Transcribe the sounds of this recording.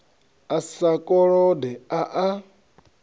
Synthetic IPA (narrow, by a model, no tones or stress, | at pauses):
asakʼɔɺɔdɛaʔa